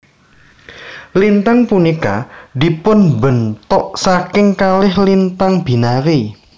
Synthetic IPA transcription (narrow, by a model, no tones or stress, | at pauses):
lint̪aŋpunika̰d̪i̤pʊnbənt̪ʊʔsakɪŋkalɪhlint̪aŋb̥i̤naɾi